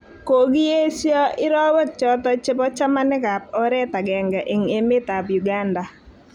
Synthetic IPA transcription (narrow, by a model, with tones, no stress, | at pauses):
ko˨ɡi˦e˦sjɔ˦ʔɪ˦ɾɔ˦wɛ˦t̚t͡ʃɔ˦t̪ɔ˦t͡ʃɪ˦pɔ˦t͡ʃa˦ma˦nɪ˦ka˨p̚ɔ˦ɾɛ˦t̪a˨ɡɛ˨ŋɡa˨ʔɪ˨ŋe˦mɪ˦t̪a˨pju˨ɡa˦nda˨